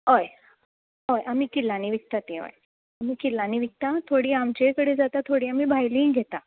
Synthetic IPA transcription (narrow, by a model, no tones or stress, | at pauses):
ɦoj | ɦojʔamiːkilaniʋik̚t̪at̪eʋə̰j | amiːkilːaniːʋik̚t̪at̪ʰoɽiːamt͡ɕekəɽed͡zat̪at̪ʰoɽiːamiːbʱajlĩːŋɡʱet̪a